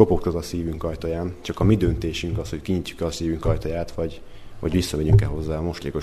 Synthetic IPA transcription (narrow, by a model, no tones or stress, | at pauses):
o̞pokt̪ɒzɒsiːvyŋkɒjt̪ojaːnt͡ʃɒkɒmid̪ø̞nt̪eːʃyŋkɒsho̞ckiɲicːu̥kɛlɒsiːvyŋkɒjt̪ojaːt̪ʋɒɟ | vɒ̰ɟʋisːɒmɛɲyŋkɛlɦo̞zːaːɒmo̞ʃleːko̞